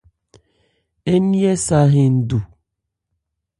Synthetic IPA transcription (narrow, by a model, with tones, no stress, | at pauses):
e˦ni˦e˦sa˦ɦe˨n̩˨du˨